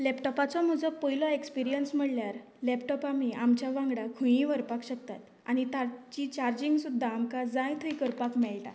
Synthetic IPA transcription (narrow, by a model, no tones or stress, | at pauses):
lɛpʈɔpat͡sɔm̤əd͡zɔpəjlɔekspiɾijənsm̤əɽljaɾ | lɛpʈɔpamiːʔamt͡ɕjaʋãŋɡɽakʰũjĩʋəɾpakɕək̚t̪a̰t̪ | a̰ñit̪at͡ɕit͡ɕaɾd͡ʑiŋɡsud̪ʱːaːmkad͡zãjt̪ʰəjkəɾpakmɛɭʈa̰